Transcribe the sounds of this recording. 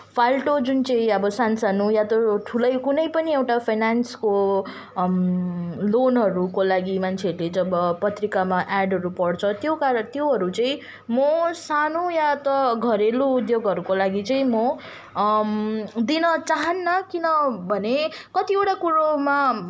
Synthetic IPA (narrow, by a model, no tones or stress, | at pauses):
pʰalʈod͡zunt͡sʌĩʌbʌsansanujat̪ʌʈʰulʌjkunʌjpʌniewʈapʰajnansko | lonɦʌɾukolaɡimant͡sʰeʌɾuled͡zʌbʌpʌt̪rikamaʔaɖɦʌɾupʌɽt͡sʰʌt̪jokaɾʌt̪joɦʌɾut͡sʌĩ | mʌsanojat̪ʌɡʱʌɾeloud̪joɡɦʌɾukolaɡit͡sʌĩmʌ | d̪inʌt͡saɦʌnːʌkinʌbʱʌnekʌt̪iewʈakuɾoma